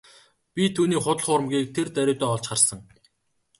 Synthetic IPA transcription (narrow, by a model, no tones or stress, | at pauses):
pʲit̪ʰuːniːχʊt̪ə̆ɮχʊːɾə̆mɡiːk̚t̪ʰert̪æɾʲʊːt̪ɔːɔɮt͡ɕχarsə̆ŋ